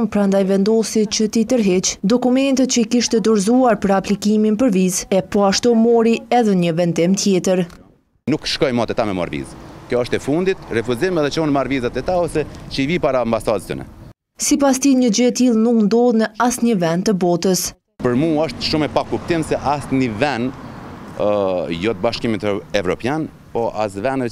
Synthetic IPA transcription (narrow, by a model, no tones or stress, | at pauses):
ŋɡ̚pɾand̪ajvɛnd̪ɔsit͡ɕət̪it̪əɾɦɛt͡ʃd̪ɔkumɛnt̪ət̪t͡ɕəikiʃt̪ɛd̪ɔɾzuaɾpəɾaplikiminpəɾvizɛpɔaʃt̪ɔmɔɾiɛðɛɲəvɛnd̪imt̪jɛt̪əɾ | nukʃkɔjmɔt̪ɛt̪amɛma̰ɾvḭzkjɔəʃt̪ɛfund̪it̪rɛfuzimɛðɛt͡ʃɔnmaɾvizat̪ɛt̪aɔsɛt͡ʃəivipaɾaːmbasad̪sə̰nɛ̰ | sipast̪iɲəd͡ʒəɛt̪ilˠnuknd̪ɔðˠnəasɲəvɛnt̪əbɔt̪əs | pəɾmuəʃt̪ʃumɛpakup̚t̪imsɛʔasnivɛn | jɔt̪̚baʃkimit̪ɛvɾɔ̰pjan | pɔʔa̰s̬vɛn